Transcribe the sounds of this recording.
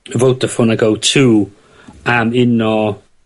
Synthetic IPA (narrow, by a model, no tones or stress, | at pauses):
əvowtəfʊnaɡowtʰuː | amɪnɔ